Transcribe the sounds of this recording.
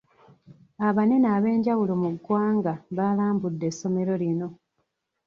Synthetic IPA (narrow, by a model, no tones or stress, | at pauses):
aβanenaːβe̞ːɲɟawulo̞muɡːwaːŋɡaβalaːmbudːesːo̞me̞ɾo̞lino̞